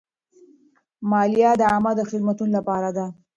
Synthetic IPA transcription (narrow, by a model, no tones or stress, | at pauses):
mɑljɑd̪əamad̪əxɪd̪̚mat̪unolapɑɾad̪a